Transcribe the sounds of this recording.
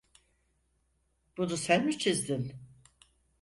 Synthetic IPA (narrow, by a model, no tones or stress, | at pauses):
b̥ud̪usænmit͡ʃʰizd̪in